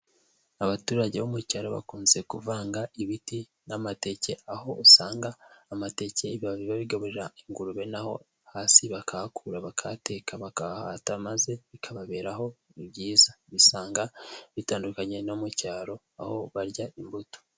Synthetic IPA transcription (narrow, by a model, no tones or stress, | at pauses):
aβatuːɾaɟe̞βomucaːɾo̞βa̰kuːnze̞kuvaːŋɡaiβiti | namate̞ce̞aho̞usaːŋɡaːmate̞ceβaβiβaβiɡaβuɾeɾaiŋɡuɾuβe̞naho̞̰ | haːsiβakʰahakʰuɾaβakʰate̞ːkʰaβakaha̰tamaze̞βikʰaβaβe̞ːɾaɦo̞iβɟiːzaβisaːŋɡaβitaːndukaɲe̞nomucaːɾo̞ | a̰ho̞βaɾɟaʔimbuto̥